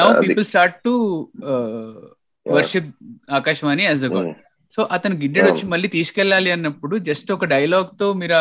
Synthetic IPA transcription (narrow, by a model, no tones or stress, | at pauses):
naːwpiːpɐlsʈaːɾʈ̚ʈu | ʋɐɾʃip̚aːkaːʃɐʋaːniæz̬d̪ɐɡɔ̰ː | soːʔɐt̪ɐnuɡiɖːeɖʋɐt͡ʃːimɐɭːiːt̪iːskɛlːaːliɐnːɐpːuɽud͡ʒɐstɔkɐɖɐjɐlaːɡ̚t̪o̞ːmiːɾa